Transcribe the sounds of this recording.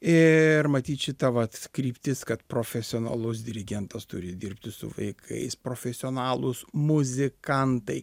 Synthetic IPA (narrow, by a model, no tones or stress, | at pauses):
ɪrmɐt̪ʲiːt̪ʃʲɪt̪ɐʋɐt̪kɾʲiːpʲt̪ʲɪskɐt̪pɾoːfʲɛsʲɪoːnɐ̰lˠʊs̬d̪ʲɪɾʲɪɡʲɛnt̪ɐst̪ʊɾʲɪd̪ʲɪrʲpʲt̪ʲɪsʊ̰ʋɐ̰ɪkʰɐ̰ɪspɾoːfʲɛsʲɪoːnɑːlˠʊsmʊzʲɪkɐnt̪ɐɪ